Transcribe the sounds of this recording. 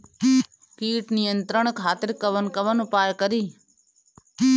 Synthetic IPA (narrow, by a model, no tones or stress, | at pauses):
kiːʈnɪjənt̪ɾəɳ̃kʰaːt̪ɪɾkəʋənkəʋənʊpaːjkəɾiː